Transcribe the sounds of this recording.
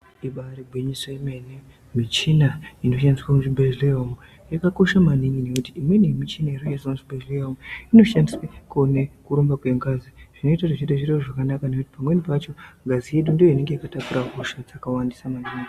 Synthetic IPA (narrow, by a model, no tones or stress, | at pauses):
iɓaɾiɡʱwiɲisojime̞ne | mit͡ʃinaino̞ʃandiswamuʐibʱed͡ʒleomu | jakako̞ʃamaniŋine̞kutiimwe̞nemit͡ʃinairojesamuʐibeʐleomuino̞ʃandiswekune̞kuɾombakwe̞ŋɡaziʐ̥ino̞itaʐit͡ʃitaʐireroʐakanakane̞kuti̥pamwe̞nipat͡ʃo̞ŋɡazije̞ɗundijo̞ine̞ŋɡe̞jikatapuɾaɦuʃad͡zakawandisamaniŋi